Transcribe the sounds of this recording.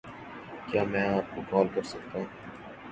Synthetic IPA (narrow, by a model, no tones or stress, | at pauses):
kjaːmɛ̃ːaːp̚kokɔːlkɐɾsɐkt̪aɦũː